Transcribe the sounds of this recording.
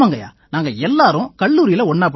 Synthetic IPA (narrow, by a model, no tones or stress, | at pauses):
aːŋɡɐja̰ː | naːŋɡɐɛlːaːɾʊ̃kɐɭːuːɾɪjɪlɐɔɳːaːp̬